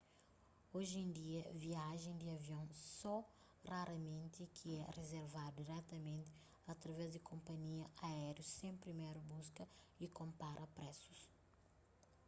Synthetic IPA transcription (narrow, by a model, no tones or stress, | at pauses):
oʒẽnd̪iɐviaʒẽj̃d̪ɪɐviõw̃sɔ | raɾɐmẽnt̪ɪkʰiɛrezeɾvad̪ʊd̪iɾɛt̪ɐmẽnt̪ɪ | ɐt̪ɾɐvɛzd̪ɪkʰõmpɐɲiɐaɛɾjusẽj̃pɾimejɾubuskɐ | ikõmpaɾʔɐpɾɛsu̥s